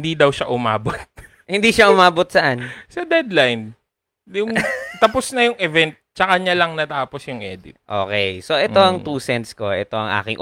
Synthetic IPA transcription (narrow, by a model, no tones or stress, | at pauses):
nd̪id̪ɐwʃaʔʊmaːbot̪̚ | hɪnd̪iːʃaʔʊmaːbot̪̚sɐʔansɐd̪ɛd̪lajn | jʊŋt̪ɐposnɐjʊŋʔɛvɛnt̪̚t͡ʃɐkɐɲalɐŋnɐt̪aːposjʊŋʔɛ̰ːd̪ɪ̰t̪̚ʔoːkɛjsoʔɛt̪oʔɐŋt̪uːsɛnt̪sko̞ʔɛt̪o̞ʔɐŋʔa̰ːkɪŋʔ